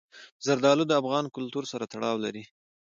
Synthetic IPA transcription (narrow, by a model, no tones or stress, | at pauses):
zaɾd̪ɑlud̪əafɣɑnkʊlt̪uɾsaɾat̪aɽɑwlaɾi